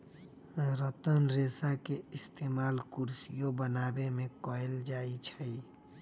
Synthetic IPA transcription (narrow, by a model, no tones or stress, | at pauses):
ɾət̪ənɾeːsakeɪst̪eːmaːlkuɾsijõbənaːbemẽkɔeld͡ʒaːit͡ʃʰəi